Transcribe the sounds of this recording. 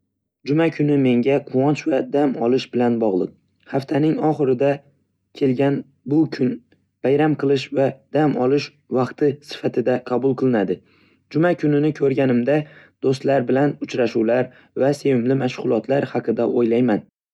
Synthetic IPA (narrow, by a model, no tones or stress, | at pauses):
d͡ʒʊmakʰʊnɪme̞ŋɡʲaqʰʊwɒnt͡ʃvad̪amɒlˠɪʃbɪlanbɒʁlˠɨ̰q̚ | haft̪ʰanɪŋɒχɨɾɪd̪a | kʲʰe̞lɡʲan | bʊkʲʰʊn | b̥ajɾamqɨlˠɪʃvad̪̥amɒlˠɪʃ | vɑqt̪ʰɪsɪ̥fat̪ʰɪd̪aqʰɑbʊlˠqʰɨlˠɪnad̪ɪ | d͡ʒʊmakʲʰʊnɪnɪkʰɵɾɡʲanɪmd̪ad̪̥ost̪laɾbɪlanʊt͡ʃɾaʃuwlaɾ | vase̞vɪmlɪmaʃʁʊlˠɒt̪ʰlaɾhɑqʰɨd̪aʔojlajman